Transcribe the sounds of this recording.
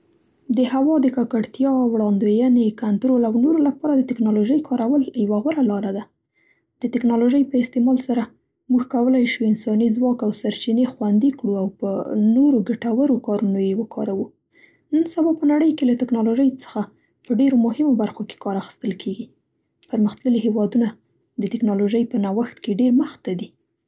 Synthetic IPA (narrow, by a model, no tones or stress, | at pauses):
d̪əɦawɑd̪əkɑkaɽt̪jɑwɽɑnd̪wejənekant̪ɾolawnoɾolapɑɾad̪ət̪ɪknɑloʒəjkʰɑɾawəljawaɣʊɾalɑɾad̪a | d̪̥ət̪ɪknɑloʒəjpəɪst̪emɑlsaɾa | muɡkawəlajʃuɪnsɑnizwɑkawsaɾt͡ʃinexwand̪ikɽuawpənoɾoɡaʈawaɾokɑɾunojewəkʰɑ̰ɾawu | nənsabɑpənaɽəjkelat̪ɪknɑloʒəjt͡sə̥xa | pəɖeɾomʊhɪmobaɾxoke̥kɑɾaxi̥st̪əlkʰeɡi | pəɾməxt̪ləliɦewɑd̪una | d̪ət̪ɪknɑloʒəjpənawaxt̪keɖeɾməxt̪ad̪i